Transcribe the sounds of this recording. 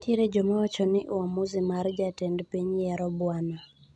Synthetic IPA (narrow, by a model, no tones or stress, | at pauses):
tjeɾed͡ʒɔmawat͡ʃɔnɪʔwamuzimard͡ʒatɛndpiɲjɛɾɔbwanɔ